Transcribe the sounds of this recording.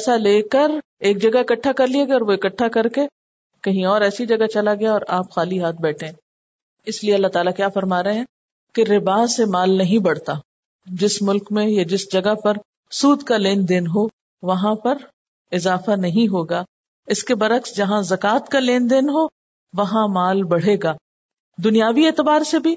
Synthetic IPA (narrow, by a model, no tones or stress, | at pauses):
saleːkɐɾeːk̚d͡ʒɐɡaɪkɐʈʰːakɐɾliɐɡɔːɾʋoɪkɐʈʰːakɐɾke | kɐɦĩɔːɾɛːsid͡ʒɐɡat͡ʃɐlaɡɐjaɔːɾaːpxaːliɦaːt̪̚ʰbɛːʈʰẽ | ɪslieɐlːaɦt̪aːlakjaːfɐɾmaːɾɐeɦɛ̃ː | keɾɪbaːsemaːlnɐɦĩbɐɽt̪aː | d͡ʒɪsmʊlkmẽjad͡ʒɪsd͡ʒɐɡapɐɾ | suːd̪kaleːnd̪enɦo | ʋɐɦãpɐɾ | ɪzaːfanɐɦĩɦoːɡaː | ɪskebɐɾəksd͡ʒɐɦãzɐkaːt̪kaleːnd̪eːnɦo | ʋɐɦãmaːlbɐɽ̤eːɡaː | d̪ʊnijaːʋieːt̪ɪbaːɾsebʱi